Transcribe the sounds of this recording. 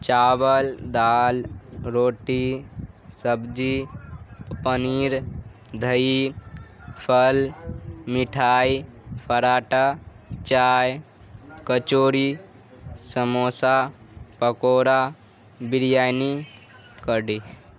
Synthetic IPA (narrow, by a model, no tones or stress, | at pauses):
t͡ʃaːwəld̪aːlɾoːʈi | səbd͡ʒi | pəniɾ | d̪ʱəi | pʰəlmiʈʰaːipʰəɾaːʈa | t͡ʃaːj | kət͡ʃoːɾi | səmoːsa | pəkoːɾa | biɾjaːjni | kəɖi